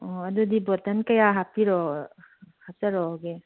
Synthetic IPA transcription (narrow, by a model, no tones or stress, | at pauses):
ɔadudibɔtankajaɦapiɾɔ | hap̚saɾɔɡe